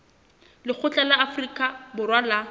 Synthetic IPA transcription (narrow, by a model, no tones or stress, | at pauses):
lɪk͡xʰʊt͡ɬʼalaafrikʼabʊrwala